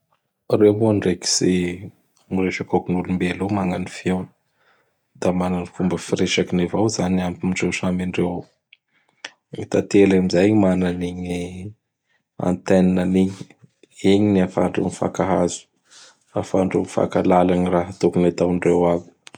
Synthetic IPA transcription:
reɦoɳɖ͡ʐeki̥z̥e | mireʃakakunulumbelumaŋanifiewnə̥ | d̪̥amananikumbəfiɾeʃakinevawzanampimiɳɖ͡ʐewsamiɳɖ͡ʐew | it̪at̪elamizajɲimananiɲi | a̰nt̪eninaniɲi | eɲiniafa̰ɳɖ͡ʐṵnifa̰kaɦazu̥ | afaɳɖ͡ʐunifa̰kalalaniraɦət̪okunat̪awɳɖ͡ʐewavi̥

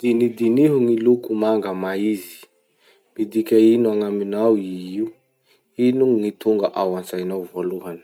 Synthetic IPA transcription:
d̪̥inid̪iniɦuŋilukumaŋɡəmaizi̥ | mid̪ikʲainuaŋaminawiiu | inuŋit̪uŋɡaʔawant͡sajnawvoluɦani̥

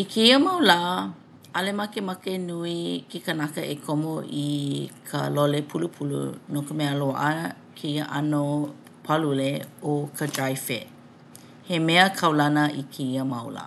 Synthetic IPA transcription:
ikʰeiəmɐwlaʔ | ɐlemɐkemɐkenuikekənakɐʔekʰomoʔikʰə̰lolepʰulupʰulṵnokəmeəloa̰ʔə | kʰeiəʔɐno | pʰɐluleokʰəd͡ʒajfḛ | hemɛəkʰɐwlɐnəʔikʰeiəmɐwla̰ː

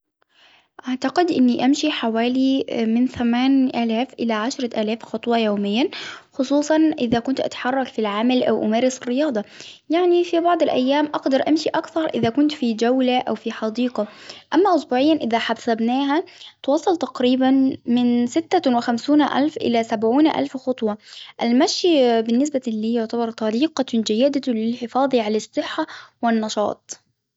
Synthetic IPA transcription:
ʔaʕt̪aqɪd̪ʔɪnːiʔamʃiħawaːlimɪnθamaːnʔaːlaːfʔɪlaʕaʃɾˤɑʔaːlaːfxɑt̪ˤwɑjoːmɪjːaxʊsˤuːsˤɑnʔɪðakʊnt̪ʔa̰t̪ḁħɑrˤːɑkfilʕamalʔa̰wʔʊmaːɾɪsɪrːɪjɑːd̪ˤɑjaʕnifibɑʕd̪ˤɪlʔa̰jːaːmʔɑɡd̪ɑɾˤʔamʃiʔakθɑɾˤʔɪðakʊnt̪fid͡ʒawlaʔawfiħɑd̪iːqɑʔamːaʔʊsbuːʕɪjːanʔɪðaħabsabnaːɦat̪wɑːsˤɑlt̪ɑqɾiːbanmɪnsɪt̪ːawɪxamsuːnʔa̰lfʔɪ̰lasabʕuːnʔa̰lfxʊt̪ˤwɑʔalmaʃjbɪnːɪs̬balːiːjʊʕt̪abɑɾˤt̪ˤɑɾiːqɑd͡ʒajːɪd̪alɪlħɪfɑːðˤiʕalasˤːɨħːawɪnːɑʃɑ̰ːt̪ˤ

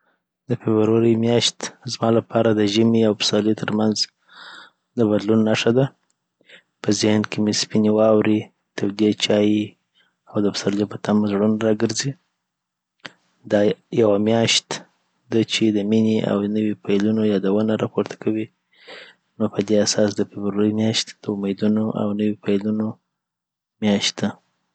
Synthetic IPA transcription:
d̪əfebɾaɾəjmjɑʃt̪zmɑlapʰɑɾad̪əʒəmiawpsɑlit̪ʰəɾmanz | d̪əbad̪lunːaʂad̪a | pəzɪhnkemispinewɑwɾi | t̪ʰawd̪iet͡ʃɑji | awd̪əpsaljopət̪amzɽunɾɑɡəɾzi | d̪ɑjawamjɑʃt̪ | d̪at͡ʃed̪əmineʔa̰w̪ənəwipʰajlunojɑd̪awənaɾɑpoɾt̪ʰḁkʰawi | nopəd̪easɑs̬d̪əfɪbɾoɾəjmjɑʃt̪d̪̥əʊmed̪unoʔa̰wnəwipajluno | mjɑʃt̪̚d̪a

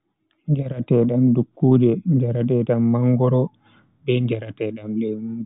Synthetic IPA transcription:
ɲd͡ʒaɾatɛɗamdukːuːdɛɲd͡ʒaɾatɛɗamːaŋɡɔɾɔ | bɛɲd͡ʒaɾatɛɗamlɛmu

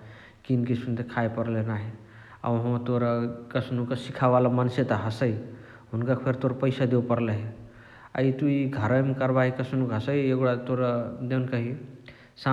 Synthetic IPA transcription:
kinkisunt̪ekʰaepəɾlenaɦe | a̰wɦõt̪oɾkəsʰnukəsikʰaʋalamansjet̪aɦəsəj | ɦunkapʰeɾt̪oɾpəjsad̪ewpəɾləɦe | a̰it̪uiɡʱəɾəmekəɾbaɦikəsnukɦəsəjeɡɽat̪oɾd̪ewnkəɦi | sa

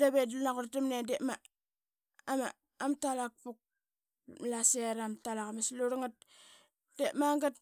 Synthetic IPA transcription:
daβednakuɾdamnedema | ma | amtalak̚puk̚ | laseɾamtalakamesluɾaŋat̚ | d̥emaŋɡat

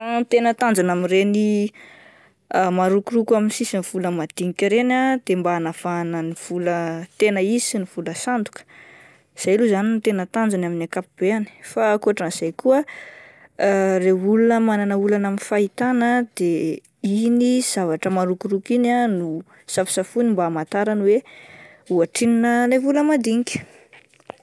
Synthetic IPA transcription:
at̪enət̪and͡zanamireni | maɾukurukuaminsisiniv̥uləmad̪̥iŋikʲaɾenad̪̥embanav̥anəniv̥ulət̪enəiziniv̥uləsand̪u̥kə̥ | z̥ajluzanint̪enət̪and͡zanaminakapub̥eani̥faːkuaʈ͡ʂaniz̥ajkuə | reulunəmananəulanaminfait̪anəd̪̥e | iniz̥avaʈ͡ʂəmaɾukuɾukinanu | safi̥safunimbaːmat̪aɾanwe | uaʈ͡ʂininəlevuləmad̪iŋkʲi̥

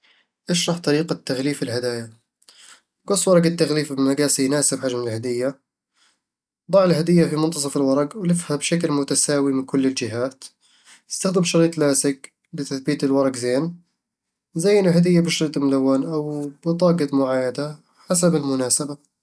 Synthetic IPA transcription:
ʔɪʃɾˤɑːħt̪ˤɑɾiːqat̪ːaɣliːfɪlhad̪aːja | ɡɑsˤːwɑɾˤɑɡat̪ːaɣliːfbɪmaɡaːsijnaːsɪbħad͡ʒmɪɪlhad̪ɪjːa | d̪ˤɑʕɪlɦad̪ɪjːafimʊnt̪ɑs̬ˤɑfɪlwɑɾˤɑɡwlɪfhabʃaklmʊt̪asaːwimɪnkʊlːɪld͡ʒɪɦaːt̪ | ɪst̪axd̪ɪmʃɑɾiːt̪ˤlaːsɪɡ | bɪt̪aθbiːt̪ɪlwɑɾˤɑɡzeːn | zajʔɪnːʊlɦad̪ɪjːabɪʃɑɾiːt̪ˤmʊlawːanʔawb̥ɪt̪ˤɑːɡɑt̪mʊʕaːjad̪a | ħasabɪlmʊnaːsaba

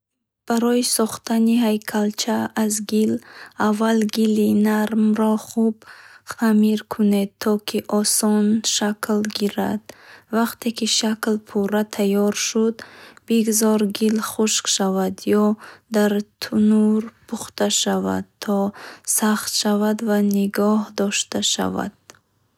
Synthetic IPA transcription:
b̥aɾɔjisɔχt̪ʰanihajkʰalt͡ʃʰaːzɡilavːalɡilinaɾmɾɔχubχamiɾkʰuned̪̚t̪ʰːɔkʰiʔɔsɔnʃakʰlɡiɾad̪̥vaqt̪ʰe̞kiʃaklpʰuɾat̪ʰajɔɾʃud̪biɡuzɔɾɡilχuʃqʃavad̪jɔd̪aɾt̪ʰunuɾpʰuχt̪aʃava̰d̪̚t̪ʰːɔsaχt̪ʃavad̪vaniɡɔhd̪ɔʃt̪aʃa̰va̰d̪̥

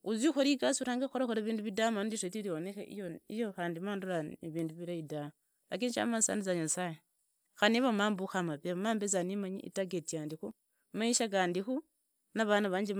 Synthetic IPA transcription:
uzixoɾikasuɾaːŋɡaxoɾaxoɾaβiːnduβidamandiʃetiɾionexḛʔḭjoijoxaːndimaːnduɾaiβiːnduβiɾaidama | lak̬init͡ʃa̰masa̰ndizaɲasaje | xaniβamaːmbuxamapamaːmbezanimaɲḭʔḭtaɡetijaːndixu | maiʃakaːndixu | naβanaβaːɲd͡ʒim

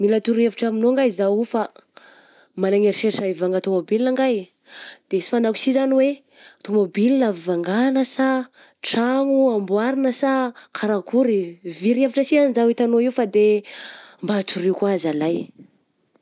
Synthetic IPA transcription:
milat̪uɾeviʈ͡ʂaminoŋɡajzawifa | malaŋeɾiʃeɾʈ͡ʂaivaŋɡat̪omobilinaŋɡaj | d̪̥esi̥fand̪aku̥sizaniwe | t̪omobilinavvaŋɡanəsa | ʈ͡ʂaŋuambuaɾinəsakʰaɾakʰuɾiviɾevaʈ͡ʂəsianzawit̪anoiwfad̪e | mbat̪uɾewkuazalaj

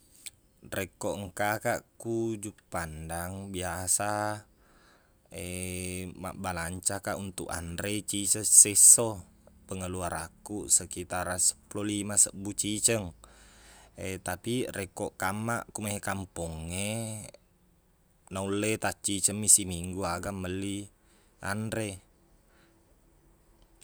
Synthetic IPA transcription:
rɛkɔʔŋkakaʔkud͡ʒupandaŋbiasa | e | ma̰ʔbalaɲt͡ʃakaʔunt̪uʔa̰ndɾet͡ʃisəseso | pəŋəluaɾakusəkit̪aɾasə̥pulolimasəbut͡ʃit͡ʃəŋ | et̪apirekɔʔkamaʔkumaɦekampɔŋːe | naulet̪at͡ʃit͡ʃəŋmisimiŋɡuaɡaməli | a̰ndɾe

